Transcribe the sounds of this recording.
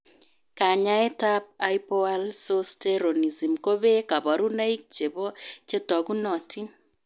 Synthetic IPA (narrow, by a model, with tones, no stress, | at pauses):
ka˨ɲa˦ɛ˦ta˦p̚a˦jpɔ˦a˦lso˦steɾo˨ni˨zi˨mko˦βe˦ka˨βa˨ɾu˦na˦i˦k̚t͡ʃe˨βɔ˦t͡ʃe˦tɔ˨ɣu˦nɔ˨ti˦n